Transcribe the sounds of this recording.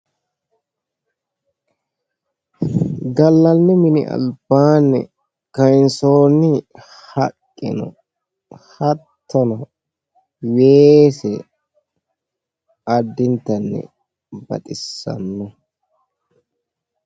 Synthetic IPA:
ɡɐlːɐnːɪmɪnɪ̰ʔɐ̰lb̥aːnːɛ̰ | kɐjnsoːnːɪ | hɐkʼːɪ̰nɔ̰ | hɐt̪ʰːɔnɐ | weːsɛ | ɐd̪ːɪnt̪ːɐnːɛ̰ | bɐ̰t̪ʼɪsːɐ̰nːɔ

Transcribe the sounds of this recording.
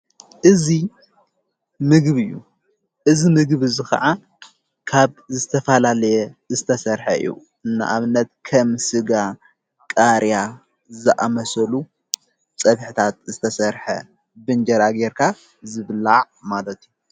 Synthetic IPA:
ʔɨzi | mɨɡβɨjːṵ | ʔɨzimɨɡβɨzɨxɐ̰ʕa | kʰaβzɨt̪ʰɐfɐlalɐjɛzɨt̪ʰɐsɐɾħɐɨ̰jːṵ | ʔɨnːa̰ʔaβɨnːɐt̪̚kʰɐmsɨɡa | kʼaɾja | zɨʔamɐsɐlu | t͡sʼɐβħit̪ʰat̪̚zɨt̪ʰɐsɐɾħɐ̰ | bɨnd͡ʒɐɾaɡeɾkʰa | zɨβlaʕ | malɐt̪ʰiju

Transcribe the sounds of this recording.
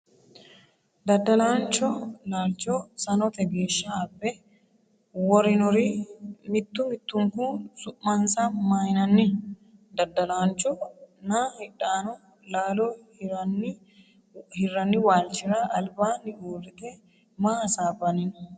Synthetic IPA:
d̪ɐd̪ːɐlaːnt͡ʃːɔlaːlt͡ʃːɔsɐnɔt̪ɛɡeːʃːɐːbːɛ | wɔɾɪnɔɾɪmɪt̪ːʊmɪt̪ːʊŋkusʊʔmɐnsɐmajnɐnːɪd̪ɐd̪ːɐlaːnt͡ʃːɔnahɪᶑːaːnɔ | laːlɔhɾɐnːɪ | hɪrːɐnːɪwaːlt͡ʃːɪɾaʔɐlbaːnɪʔuːrɪt̪ɛ | maːɐsaːbɐnɪn

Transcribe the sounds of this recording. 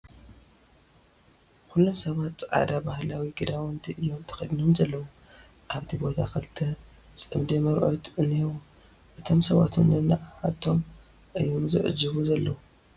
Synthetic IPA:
xulːo̞msɐβat̪t͡sʼʕa̰d̪abahlawiɡɨd̪awɔnt̪ʰiʔɨjːo̞mt̪ʰɨ̥xɐd̪ɨnomzɐlːɐwu | ʔaβt̪ʰibo̞t̪ʰakɐlt̪ʰɐ | t͡sʼɨmd̪emɐɾʔo̰t̪ʰʔɨnːewu | ʔɨt̪ʰo̞msɐβa̰t̪ʰunːɨnaʕħa̰t̪ʰːo̞m | ʔɨjːomzɨʕɨ̰d͡ʒɨβuzɐlːɐwu

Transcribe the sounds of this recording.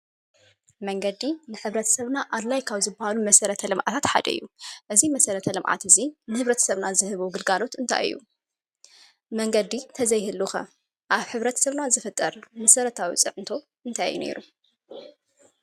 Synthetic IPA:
mɐŋɡɐd̪inɨħɨβɾɐt̪ʰɐ̥sɐβnaʔad̪lajkʰaβzɨbːahalumɐsɐɾɐt̪ʰɐlɨmʕa̰t̪ʰat̪ħa̰d̪ɐ̰ʔɨ̰jːuʔɨzimɐsɐɾɐt̪ʰɐlɨmʕa̰t̪ɨzinɨhɨβɾɐt̪ʰɐ̥sɐβnazɨhɨβuɡɨlɡalo̞t̪ɨnt̪ʰa̰jʔɨ̰jːṵ | mɐŋɡɐd̪it̪ʰɐzɐjhɨlːuxɐ̰ | ʔaβħɨβɾɐt̪ʰsɐβnazɨfɨt̪ʼːɐɾmɐsɐɾɐt̪ʰawḭt͡sʼɨʕɨnt̪ʰo̞ | ʔɨnt̪ʰajjːṵne̞̰ɾu

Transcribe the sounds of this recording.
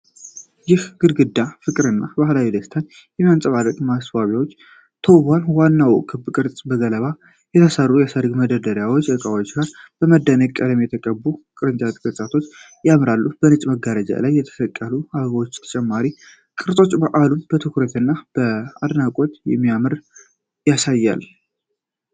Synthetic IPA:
jɪhɡ̥ɨɾɡɨd̪ːafɨkʼɨɾɨnːabahlawid̪əst̪ʰan | jɛmiansʼəβaɾəkmasbaβjawot͡ʃː | t̪ʰəwbanwanːawɔ̰kʰːɨbbkʼɨɾt͡sʼbəɡələβa | jɛt̪ʰəsərːujasəɾɡməd̪əd̪əɾjawot͡ʃːəkʼawat͡ʃɡaɾb̥əməd̪ːənəɡkʼəd̪əmjɛt̪ʰəkʼəbukʼɨɾɨnt͡ʃʼat̪ʼkʼət͡ʃʼat̪ʰo̞t͡ʃː | jamɾalːubənɨt͡ʃʼməɡaɾəd͡ʒa̰lajːɛt̪ʰə̥səkʼːəluaβəβwot͡ʃːt̪ʰə̥t͡ʃʼɛmːaɾi | kʼɨɾsʼo̞t͡ʃʼːbəʔalunbət̪ʰɨkuɾət̪ɨnːab̥əad̪nakʼot̪jɛ̰mːijamɨɾ | jasajːa̰l

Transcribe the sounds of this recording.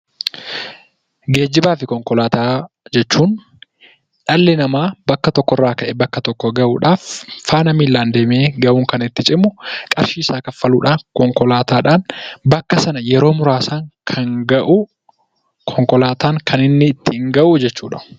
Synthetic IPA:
ɡe̞ːd͡ʒːɪbaːfɪkɔŋkɔlaːt̪aː | d͡ʒɛt͡ʃːuːn | ᶑɐlːɪnɐmaːbɐkːɐt̪ɔkːɔrːaːkɐʔɛbɐkːɐt̪ɔkːɔɡɐʔuːᶑaːfːaːnɐmiːlːaːnd̪eːmeːɡɐʔuːŋkɐnɪt̪ːɪt͡ʃʼɪmːʊkʼɐɾʃiːɪsaːkɐfɐluːᶑaːnkɔŋkɔlaːt̪ʰaːᶑaːnbɐkːɐsɐnɐjɛɾo̞ːmʊɾaːsaːŋkʰɐŋɡɐʔu | kʰɔŋkɔlaːt̪ʰaːŋkʰɐnɪnːɪːt̪ːɪŋɡɐʔuːd͡ʒɛt͡ʃːuːᶑɐʊ

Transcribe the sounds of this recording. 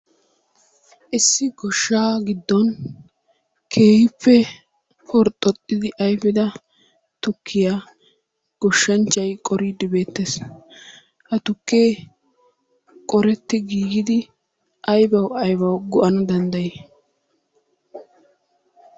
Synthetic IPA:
ʔɪsːɪɡɔʃːaːɡɪd̪ːɔn | kʰe̞ːhɪpːɛ | fɔɾt̪ʼːɔt̪ʼːɪd̪ɪʔɐjbɪd̪ɐ | t̪ʊkʰːɪja | ɡ̥ɔʃːɐnt͡ʃːɐjkʼɔɾid̪ɪbe̞ːt̪ːeːs | ʔɐt̪ʊkːe̞ː | kʼɔɾɛt̪ːɪɡiːɡɪd̪ɪ | ʔɐjbɐwɐjbɐwɡɔʔɐnɐd̪ɐnd̪ɐjeː

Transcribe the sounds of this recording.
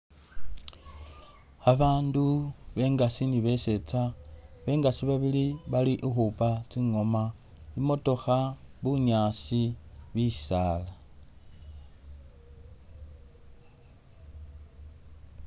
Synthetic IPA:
aβaːnduβe̞ŋɡasiniβe̞se̞t͡saβe̞ŋɡasiβaβiliβaliʔixupat͡siŋo̞ma | imo̞to̞xaβuɲaːsiβisaːla

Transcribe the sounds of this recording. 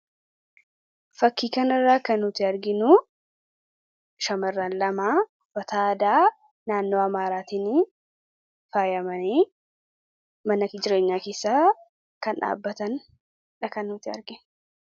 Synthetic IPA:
fɐkːiːkɐnɐrːaːkɐnːʊt̪ɪɐɾɡɪnu | ʃɐmɐrːaːnlɐmaː | fɐt̪aːd̪aː | naːnːoːɐmaːɾaːt̪iːnɪ | faːjɐmɐneː | mɐnɐkɪd͡ʒɪɾe̞ːɲːaːkeːsːaː | kɐnᶑa̰ːbːɐt̪ɐn | ᶑɐkɐnːʊt̪ɪɐ̰ɾɡɪn

